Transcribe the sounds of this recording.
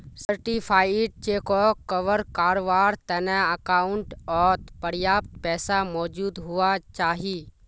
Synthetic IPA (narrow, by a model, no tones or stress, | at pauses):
səɾʈiːpʰaːiʈ̚t͡ʃeːkoːkːəʋəɾkaːɾoʋaːɾt̪ɐnɛ̃əkaːʊɳʈɔːt̪pəɾjaːp̚t̪pɛːsaːmɔːd͡ʒuːd̪ɦʊaːt͡ʃaːɦiː